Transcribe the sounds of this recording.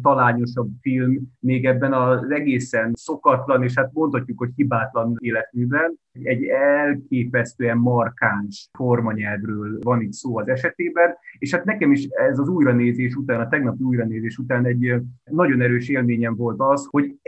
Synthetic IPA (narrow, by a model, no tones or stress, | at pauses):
t̪ɒlaːɲo̞ʃɒbfilmːeːɡɛbːɛnɒzɛɡeːsɛnso̞kɒt̪lɒneːʃhat̪̚mo̞nt̪hɒcːukho̞chibaːt̪lɒneːlɛt̪mybɛn | ɛɟːɛlkeːpɛst̪øːɛmmɒrkaːnʃformɒɲɛlvrøːlvɒniːt̪soːɒzɛʃɛt̪eːbɛneːʃhat̪nɛkɛmiʃɛzɒzuːjɾɒneːzeːʃut̪aːnɒt̪ɛɡnɒpiuːjɾɒneːzeːʃut̪aːnɛɟnɒɟo̞nɛɾøːʃeːlmeːɲɛɱvo̞lt̪ɒsho̞ɟ